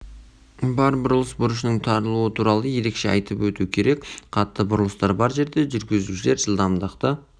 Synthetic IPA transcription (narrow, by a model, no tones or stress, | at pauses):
bɑɾbʊɾəlˠəsbʊɾəʃ̬ənəɴt̪ʰɑɾəlˠuwət̪ʰuɾɑlˠəje̞ɾe̞kʃe̞ɑ̰jt̪əpwɵt̪ukʲʰe̞ɾe̞kqʰɑt̪ːəbʊɾlˠəst̪ɑɾbɑɾʒe̞ɾd̪e̞ʒʏɾɡʲɪzuʃɪle̞ɾʒəlˠd̪ɑmd̪əqt̪ə